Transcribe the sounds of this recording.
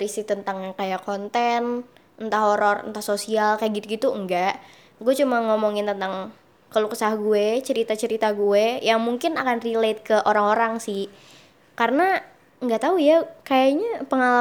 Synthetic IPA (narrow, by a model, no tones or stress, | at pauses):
ɾisiht̪ənt̪aŋɲakajakont̪ɛn | nt̪aɦoɾɔrə̰nt̪ahsosialkajaɡit̪̚ɡit̪uəŋɡaʔ | ɡuɛt͡ʃumaŋomɔŋɪnt̪ənt̪aŋ | kəluksahɡuɛt͡ʃəɾit̪at͡ʃəɾit̪aɡuejaŋmuŋkɪnakanrilet̪̚kəʔoɾaŋoɾaŋsɪh | karəna | ŋɡaʔt̪aujakajaɲapəŋala